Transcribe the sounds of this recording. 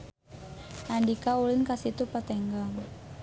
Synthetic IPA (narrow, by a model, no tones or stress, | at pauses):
ʔandikaulɪnkasit̪upat̪ɛŋɡaŋ